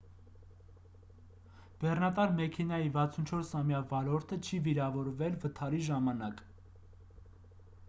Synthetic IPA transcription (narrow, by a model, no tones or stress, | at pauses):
b̥ɛrnɑt̪ɑɾmɛkʰɛnɑjivɑt͡sʰunt͡ʃʰɔɾsɑmjɑvɑlɔɾt̪ʰət͡ʃʰiviɾɑvɔɾvɛlvət̪ʰɑɾiʒɑmɑnɑk